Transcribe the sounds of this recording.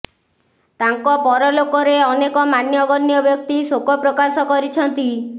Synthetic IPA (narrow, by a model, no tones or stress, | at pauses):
t̪aŋkɔpɔɾɔlokɔɾeɔnekɔmanjɔɡɔnjɔbjɔk̚t̪isokɔpɾɔkasɔkɔɾit͡ʃʰɔnt̪i